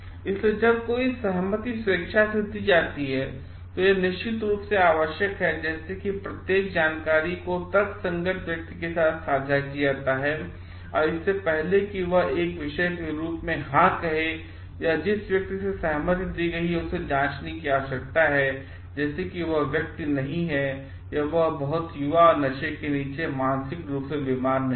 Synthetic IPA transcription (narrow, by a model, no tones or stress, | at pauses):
ɪsled͡ʒɐb̚koːisɐɦmət̪isʊɾəkʃased̪id͡ʒaːt̪iɦɛː | t̪ojenɪʃt͡ʃɪt̪ɾuːpseaːʋəʃjəkɦɛd͡ʒɛːsekipɾɐt̪jeːk̚d͡ʒaːnkaːɾikot̪ɐt̪sɐ̃ŋɡəʈʰʋjɐk̚t̪ikesaːt̪ʰsaːd͡ʒʱakijaːt̪aɦɛː | ɔːɾɪsːepɛɦlekiʋɐɦeːkʋɪʃeʃɾuːpmẽɦãkɐɦe | jad͡ʒɪsʋjɐk̚t̪isesɐɦmət̪d̪iɡɐɦiʊsːed͡ʒãːt͡ʃnikiaːsɐk̚t̪aɦɛ | d͡ʒɛːsekiʋɐɦʋjɐk̚t̪inɐɦĩɦɛ | jaʋɐɦbɐɦʊt̪jʊʋaɔːɾnɐʃekeniːt͡ʃemãːnsɪkɾuːpsebɪmaːɾmẽ